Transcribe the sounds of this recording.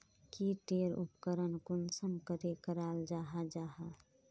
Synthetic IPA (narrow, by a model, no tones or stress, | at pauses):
kiʈeːɾṵpkəɾənkʊnsəmkəɾekəɾaːld͡ʒaːɦad͡ʒaːɦa